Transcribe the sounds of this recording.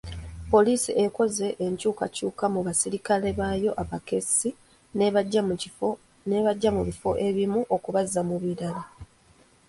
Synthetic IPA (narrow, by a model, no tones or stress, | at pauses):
po̞liːsiʔeko̞ze̞ʔːɲcuːkacuːkamuβasiɾikale̞βaːjo̞ʔaβake̞si | neβɟːa | neβaɟːamuβifo̞ʔe̞βimuʔo̞kuβazːamuβiɾala